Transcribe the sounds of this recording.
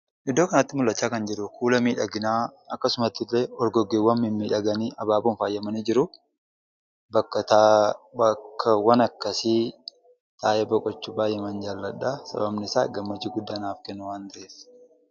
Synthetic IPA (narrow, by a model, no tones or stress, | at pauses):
ʔɪd̪ːoːkɐnɐt̪ːɪmʊlːɐt͡ʃːaːkɐnd͡ʒɛɾʊkʰuːlɐmiːᶑɐɡɪnaːɐkːɐsʊmɐt̪ːɪlːeːɔɾɡɔɡewːɐmːɪnmiːᶑɐɡɐniːʔɐbaːbuːnfaːjːɐmɐniːd͡ʒɪɾʊ | bɐkːɐt̪ | ɐkːɐwɐnɐkːɐsi | t̪ʰaːjɛbɔkʼɔt͡ʃːʊbaːjɛmɐnd͡ʒaːlːɐᶑasɐ̰bɐbnɪɪsa̰ːɡɐmːɐd͡ʒɪɡʊd̪ːaːnaːfkɛnːʊwaːnd̪ɐeːs